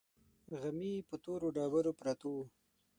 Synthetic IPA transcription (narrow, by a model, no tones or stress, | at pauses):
ɣamipət̪oɾoɖɑːbaɾopɾat̪o